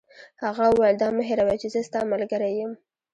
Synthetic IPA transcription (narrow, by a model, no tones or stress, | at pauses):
haɣaʊwajəld̪ɑməɦeɾawat͡ʃezəst̪ɑmalɡəɾajəm